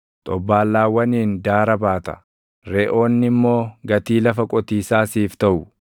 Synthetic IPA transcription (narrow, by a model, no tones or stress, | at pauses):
t̪ʼɔbːaːlːaːwːɐniːnd̪aːɾɐbaːt̪ɐ̥̰ | ɾeːʔo̞ːnːɪmːo̞ːɡɐt̪iːlɐfɐkʼɔt̪iːsaːsiːft̪ɐʔʊ